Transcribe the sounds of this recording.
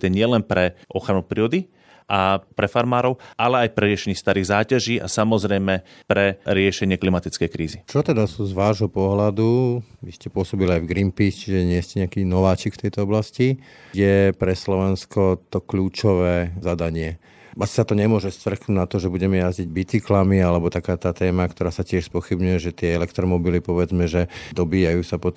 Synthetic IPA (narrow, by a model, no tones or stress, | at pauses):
t̪ɛɲɪɛlɛnpɾɛʔɔxɾanupɾiɔd̪i | ʔapɾɛfaɾmaːɾɔʊʔalɛajpɾɛɾɪɛʃɛɲist̪aɾiːɣzaːcaʒiːʔa̰samɔzɾɛjmɛpɾɛɾɪɛʃɛɲɪɛklimat̪it͡skɛjkɾiːzit͡ʃɔt̪ɛd̪asuːzʋaːʒɦɔpɔɦlad̪uʋiscɛpʊɔsɔbiliajvɡɾimpiːst͡ʃiʒɛɲɪɛscɛɲɛakinɔʋaːt͡ʃikft̪ɛjt̪ɔɔblasci | jɛpɾɛslɔʋɛnskɔt̪ɔkʎuːt͡ʃɔʋɛːzad̪aɲɪɛ | asi̥sat̪ɔɲɛmʊɔʒɛst̪ʋr̩knuːɟnat̪ɔʒɛbuɟɛmɛjazɟiɟbit͡siklamialɛbɔt̪akaːt̪aːt̪ɛːmakt̪ɔɾaːsacɪɛʃspɔxibɲujɛʒɛt̪ɪɛɛlɛkt̪ɾɔmɔbilipɔʋɛd͡zmɛʒɛd̪ɔbiːjajuːsapɔt̪